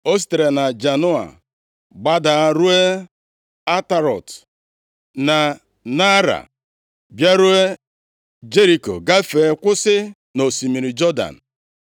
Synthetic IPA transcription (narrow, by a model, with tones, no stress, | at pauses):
o˦s̬i̥˦˨te˨ɾe˨na˨d͡ʒa˨nʊ˦a̰˨ | ɡ͡ba˦da˨a˦ɾu˦e˦ | a˦ta˨ɾɔ̰˨t | na˨ | na˦ɾa̰˨ | bja˦ɾu˦e˦ | d͡ʒe˦ɾi˨ko̰˨ɡa˦fe˨˦kʷʊ˦sɪ˦ | no˨si˨mi˨ɾi˨d͡ʒɔ˦da̰˨n̩˨